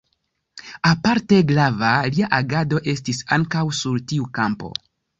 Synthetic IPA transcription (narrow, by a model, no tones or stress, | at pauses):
apaɾte̞ɡɾavaliaʔaɡado̞ʔe̞stisaŋkawsuɾtiukampo̞̰